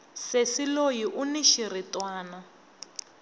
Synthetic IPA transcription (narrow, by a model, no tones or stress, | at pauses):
sesilojiʔuniʃiritwaːna